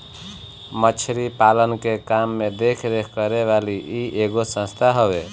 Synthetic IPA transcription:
mət͡ʃʰɾipalənkekamːed̪ekʰd̪ekʰkəɾeβaliieɡosə̃st̪ʰaɦobe

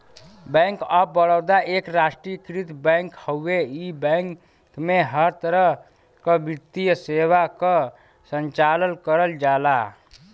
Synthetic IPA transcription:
bɛ̃ŋkəbːəɽəwd̪aʔekɾasʈɾikɾit̪bɛ̃ŋkhəueibə̃ŋ | kmeɦəɾt̪əɾəɦ | kəbit̪ijəseβakə | sənt͡ʃalənkəɾəld͡ʒala

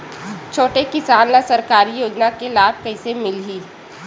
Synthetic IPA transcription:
t͡ʃʰoːʈekɪsaːnlasɐɾkaːɾijoːd͡ʒnakelaːb̚kɐɪsemɪlɦiː

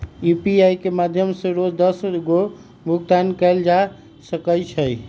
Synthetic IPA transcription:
jupiajkemad̪ʱjəmsẽɾod͡ʒd̪əsɡo | bʱuk̚t̪ankəld͡ʒa | səkət͡ʃʰəj

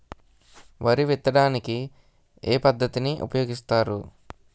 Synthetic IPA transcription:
ʋɐɾiʋit̪ːɐɽaːniki | eːpɐd̪ʱːɐt̪iniʔṵpɐjo̞ːɡist̪aːɾṵ

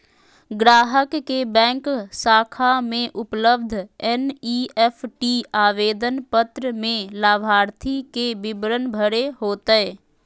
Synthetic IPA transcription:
ɡɾaːɦəkːebɛ̃ːŋksaːkʰamẽʔʊpləbd̪ʱɛniɛpʰʈiaːʋeːd̪ənpət̪ɾəmẽlaːbʱaːɾt̪ʰikebɪbɾənbʱəɾeɦoːt̪əe

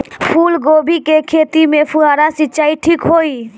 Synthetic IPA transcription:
pʰuːlɡoːbʱikekʰeːt̪imẽpʰuɦaːɾasɪt͡ʃaːiʈʰiːkɦoi

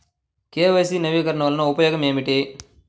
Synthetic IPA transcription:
keːʋɐːsinɐʋiːkɐɾɐɳɐʋɐlɐnɐupɐjɔːɡɐmeːmiʈi

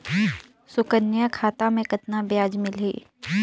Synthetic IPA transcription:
sʊkənːjakʰaːt̪amẽkɐt̪nabjaːd͡ʒmɪlḛː

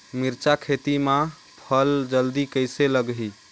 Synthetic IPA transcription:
miɾt͡ʃakʰet̪imã | pʰəld͡ʒəld̪ikəjseləɡɦi

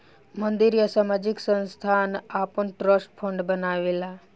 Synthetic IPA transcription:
mənd̪iɾjəsamad͡ʒiksə̃nst̪ʰanapəɳʈɾəspʰə̃ɳɖbənaʋela

